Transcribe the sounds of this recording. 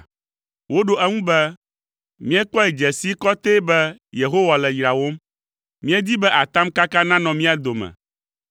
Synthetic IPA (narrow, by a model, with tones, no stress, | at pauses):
wo˦ɖo˨ʔɛ˦ŋũ˦bɛ˦ | mĩ˦ɛ˦k͡pɔ˦ɛ˨d͡ʒɛ˨si˦kɔ˦t̪e˦bɛ˦je˨ɦo˦wa˨lɛ˨jɾa˨wo˦m | mĩ˦ɛ˦d̪i˦bɛ˦ʔa˨t̪a˦mka˦ka˦nã˦nɔ̃˨mĩ˦a˨d̪o˨mɛ̰̃˨